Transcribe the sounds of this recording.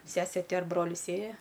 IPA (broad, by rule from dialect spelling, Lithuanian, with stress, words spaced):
ˈsʲæːsʲeː ˈtʲɪ ɐr ˈbroːlʲɪs ˈeːjɛ